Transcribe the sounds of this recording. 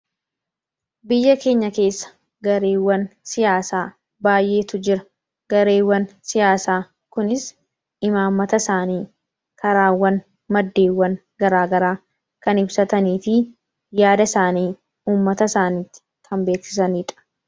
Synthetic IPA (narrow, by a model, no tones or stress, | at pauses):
bɪjːɐke̞ːɲːɐke̞ːsːɐ̥ | ɡɐɾe̞ːwːɐnsɪjaːsaː | baːjʔe̞ːt̪ʊd͡ʒɪɾɐ̥ | ɡ̥ɐɾe̞ːwːɐnsɪjaːsaː | kʊnɪs | ɪmaːmːɐt̪ɐsaːniː | kʰɐɾaːwːɐn | mɐd̪ːe̞ːwːɐn | ɡɐɾaːɡɐɾaː | kɐnɪbsɐt̪ɐniːfɪ | jaːd̪ɐsaːniː | uːmːɐt̪ɐsaːniːt̪ːɪ̥ | kʰɐmbe̞ːksɪ̥s̬ɐniːᶑɐ̥